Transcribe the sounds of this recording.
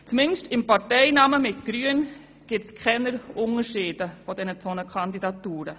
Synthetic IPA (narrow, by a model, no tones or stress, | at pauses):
t͡smɪnʃtɪmpɑɾtɛɪnɑməmɪtɡ̥ɾyən | ɡ̥ɪtskʰχɛnəɾʔʊnəɾʃiːd̥əfɔd̥ɛnətʰɔnəkʰɑndidɑtuːɾə